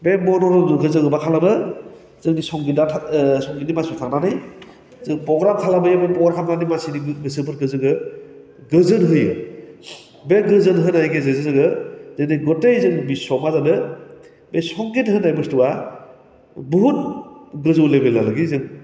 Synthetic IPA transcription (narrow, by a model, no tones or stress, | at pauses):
bemɔnɔɾɔɯɦɯzɯɡɯbakʰalabɯ | zɯŋnisɔŋɡindatʰasɔŋɡinimasɔtʰak̚nanɯj | zɯŋpɾɔɡɾamkʰalabɯjabɯnpɔɡɾkʰamnanimasiniɡbɯsɯbɯɾɡɯzɯɡɯ | ɡɯzɯnɦɯjɯ | beɡɯzɯnɦɯnajɡezezɯzɯɡɯzeniɡɔtejzɯŋbisɔmazanɯ | besɔŋɡinɦɯnajbɯstuwa | bɔɦut̚ɡɯzɯwlebelalɯɡizɯŋ